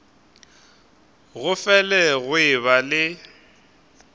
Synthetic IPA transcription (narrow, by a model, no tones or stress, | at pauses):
ɣʊfɛlɛɣʊɪβalɪ